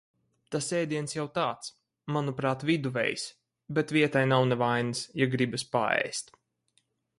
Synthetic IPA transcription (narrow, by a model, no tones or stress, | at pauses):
t̪asɛːd̪iɛnsjawt̪aːt̪s | manupɾaːt̪vid̪uvɛ̰js | bɛt̪vʲiɛt̪ajnawnɛvajnɨsjaɡɾibaspa̰ɛ̰jst̪